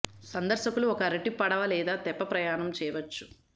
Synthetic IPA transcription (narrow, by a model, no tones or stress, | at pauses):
sɐnd̪ɐɾʃɐkuluɔkɐɾeʈːipɐɽɐʋɐlɛːd̪aːt̪ɛpːɐpɾɐjaːnɐmt͡ʃɛːjɐʋɐt͡ʃːu̥